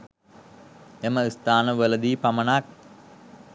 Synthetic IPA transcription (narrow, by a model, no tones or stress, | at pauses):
eməist̪aːnəʋeləd̪iːpamənak̚